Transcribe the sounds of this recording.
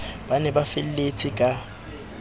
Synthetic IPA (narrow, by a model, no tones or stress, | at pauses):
b̥anɛbafɪl̩let͡sʰɪkʼa